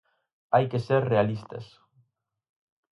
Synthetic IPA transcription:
ajkeseɾrealist̪ɐ̰s

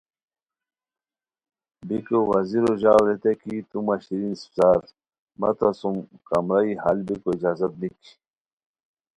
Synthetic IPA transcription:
bikowɐziɾoʑawlet̪ekit̪umɐɕiɾinssaːɾ | mɐ̰t̪ʰasumkɐmɾaihɐ̰lbikoid͡ʑaːzɐt̪̚nikʰi̥

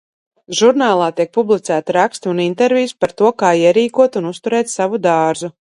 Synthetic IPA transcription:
ʒuɾnaːlˠaːt̪iɛk̚publˠit̪sæːt̪iɾakst̪unint̪ɛɾvʲiːspaɾt̪uɔkaːiɛɾiːkuɔt̪unust̪uɾɛːt̪savud̪ɑːɾzu

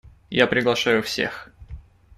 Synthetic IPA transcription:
japɾʲɪɡlˠɐʂajʊfsʲḛx

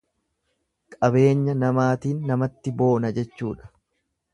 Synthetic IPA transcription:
kʼɐbe̞ːɲːɐnɐmaːt̪iːnːɐmɐt̪ːɪbo̞ːnɐd͡ʒɛt͡ʃːuːᶑɐ̥

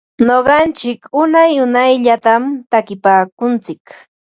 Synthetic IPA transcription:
ɲoɢɑnt͡ʃɪkʊnajʊnajʎat̪amt̪akɪpaːkʊnt͡sɪk

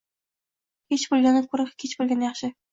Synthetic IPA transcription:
kʲʰet͡ʃbolˠɡʲanɪkʰʊɾɪqkʲʰet͡ʃbolʲɡʲanjɑχʃɪ

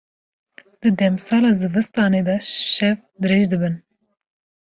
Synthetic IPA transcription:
d̪̥ɨd̪ɛmsɑːlɑːzɨvɨst̪ɑːned̪ɑʃɛv | d̪ɨɾeːʒd̪ɨbɨn

